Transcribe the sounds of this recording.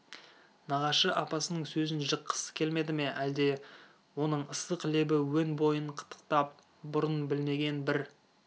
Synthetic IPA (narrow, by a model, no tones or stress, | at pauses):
nɑʁɑʃəʔɑpɑsənəɴsɵzɪnʒəqʰːə̥sə̥kʲʰe̞lme̞d̪ɪme̞ʔæld̪e̞ | wo̞nəɴəsəqʰlebɪwɵnbo̞jəɴqʰə̥t̪ʰːə̥q̚t̪ɑp̚ | bʊɾənbɪlme̞ɡʲe̞nbɪɾ